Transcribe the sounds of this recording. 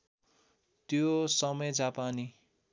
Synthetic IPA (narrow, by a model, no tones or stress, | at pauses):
t̪josʌmʌjd͡zapani